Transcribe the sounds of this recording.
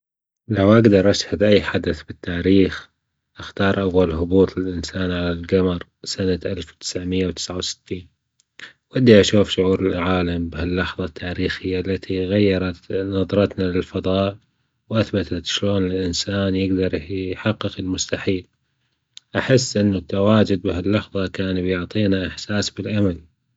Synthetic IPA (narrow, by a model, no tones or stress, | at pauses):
lawʔaɡd̪ɑɾˤʔaʃhad̪ʔajːħad̪aθbɪt̪ʰːaːɾiːx | ʔaxt̪ɑːɾˤʔawːalhʊbuːt̪ˤɪlʔɪnsaːnʕalalɡamɑɾˤsanaʔalfwt̪ɪ̥sʕmɪjːawt̪ɪ̥sʕawsɪ̥t̪ʰːiːn | wad̪ːiʔaʃuːfʃʊʕuːɾɪlʕaːlambhɪlːɑħðˤɑt̪ʰːaːɾiːxɪjːalːat̪ʰiɣajːɑɾˤɑt̪nɑðˤɾˤɑt̪nalɪlfɑðˤɑːʔ | wʔaθbat̪ʰat̪ʃloːnɪlʔɪnsaːnjɪɡd̪ɑɾˤħɑqːɨqɪlmʊst̪aħiːl | ʔaħɪsːʔɪnːʊt̪ːawaːd͡ʒʊd̪̚bɪhɪlːɑħðˤɑkaːnbjʊʕt̪ˤiːnaʔɪħsaːsbɪlʔamal